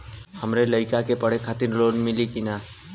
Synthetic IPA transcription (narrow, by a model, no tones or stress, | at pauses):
həmɾeləɪkakepəɽ̤ekʰaːt̪ɪɾloːɽmɪlikinaː